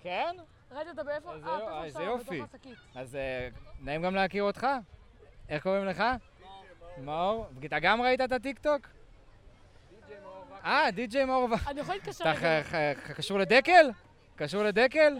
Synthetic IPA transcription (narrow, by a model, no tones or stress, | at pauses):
ken | ʁaitatabfzejzejofikiazenaimɡamleakiʁot̪χa | e̞χkoʁimle̞χa | maoʁbɡit̪aɡamʁait̪̬aet̪at̪̬ikt̪o̞k | ad̪id͡ʒejmaoʁvanijxoikaʃt̪a | akaʃuʁled̪eke̞l | kaʃuʁled̪eke̞l